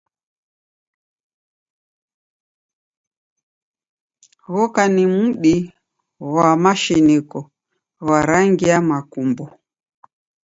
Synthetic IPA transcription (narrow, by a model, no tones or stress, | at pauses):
ɣɔkanimuɗi | wamaʃinikɔ | waɾaŋɡiamakumbɔ